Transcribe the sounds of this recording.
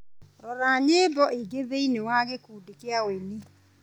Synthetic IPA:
ɾɔɾaɲeːbɔʔiɡeðeinewaɣekudekeaweni

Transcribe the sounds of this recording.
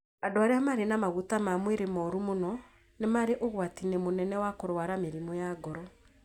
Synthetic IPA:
adoaɾeamaːɾenamaɣutamamweɾemɔɾumonɔ | nemaɾeʔoɣwatinemonɛnɛwakoɾwaɾameɾimɔjaɡɔɾɔ

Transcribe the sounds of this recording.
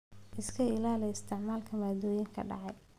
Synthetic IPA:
ʔɪskʰɐɪlaːlɛjɪst̪ʰɪʕmaːlkʰɐmaːd̪ɔːjɪŋkʰɐ̰ɖɑ̰ʕɑj

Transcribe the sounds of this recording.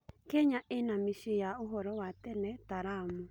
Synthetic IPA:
kɛɲaʔɪnamiʃijaʊɦɔɾɔwat̪ɛnɛt̪aɾamu

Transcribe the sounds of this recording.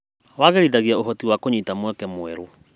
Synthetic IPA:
waɣeɾiðaɣiaoɦɔtiwakoɲitamwɛkɛmoɛɾo

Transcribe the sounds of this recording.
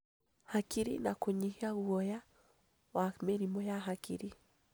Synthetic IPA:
hakiɾḭnakoɲihiaɣwɔja | wameɾimɔjaɦakḭɾi

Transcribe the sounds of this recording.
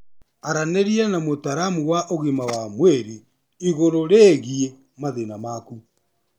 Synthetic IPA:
aɾaneɾianamotaɾamuwaʔoɣimawamweɾi | iɣoɾoɾeːɣie | maðenamaku

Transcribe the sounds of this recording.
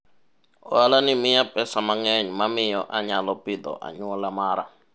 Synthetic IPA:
ɔalanimijapʼɛsamaŋɛɲumamijɔʔaɲalɔpʼid̪ɔ̰ʔa̰ɲuɔlamaːɾa̰

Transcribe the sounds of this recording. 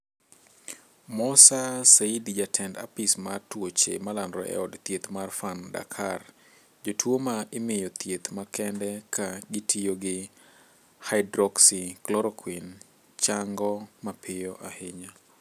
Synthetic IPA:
mɔsaseidd͡ʒatʰɛnda̰pismatwot͡ʃḛmalandɾɔ̰ʔɛ̰ɔdt̪jet̪marfanda̰kʰar | d͡ʒotwomaʔɪmɪjɔt̪jet̪makɛndɛkʰaɡɪtʰijoɡɪ | haɪdɾɔksiklɔɾɔkʰwin | t͡ʃaŋɡɔmapʰɪjɔʔahɪɲa

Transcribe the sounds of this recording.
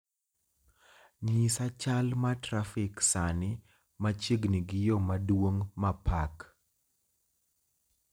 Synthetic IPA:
ɲisat͡ʃalmatɾafɪksanɪ | mat͡ʃiɡniɡɪjomadwoŋmapʰak

